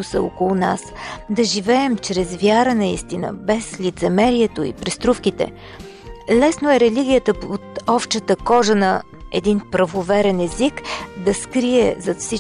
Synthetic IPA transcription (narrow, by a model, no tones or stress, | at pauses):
usə̰o̰kolˠuna̰sd̪ɐʒivɛɛmt͡ʃɾɛzvʲjaɾənɐist̪inə̰bɛslit̪sɛmɛɾiɛt̪oḭpɾɛst̪ɾufkit̪ɛ̰ | lɛsnoɛɾɛliɡʲijət̪əot̪ɔpʃt̪ət̪əkɔʒənɐ | ɛd̪inpɾɐvovɛɾɛnɛzikd̪ɐskɾiɛ̰zɐt̪fsi